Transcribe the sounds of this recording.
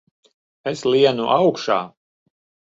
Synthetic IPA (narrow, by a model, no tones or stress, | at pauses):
eslˠiɛnuʔawkʃa̰ː